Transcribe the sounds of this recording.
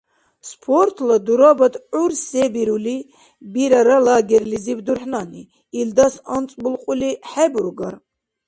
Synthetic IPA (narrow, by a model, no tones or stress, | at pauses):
spʰɔɾt̪ʰlad̪uɾabad̪ʕuɾsɛbiɾuli | biɾaɾalaːɡɛɾlizibd̪uɾħnaniː | ld̪asant͡sʼbulqʼuliħɛbuɾɡaɾ